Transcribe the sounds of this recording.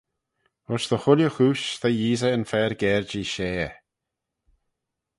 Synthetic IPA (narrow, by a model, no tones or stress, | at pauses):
ɔʃðəxʊljəxuːʃt̪ʰajiːzəənfɛːɹɡɛːɹd͡ʒiːʃeː